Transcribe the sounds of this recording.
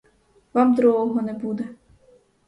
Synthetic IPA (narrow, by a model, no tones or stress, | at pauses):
ʋɑmd̪ɾɔɦɔɦɔnɛbud̪ɛ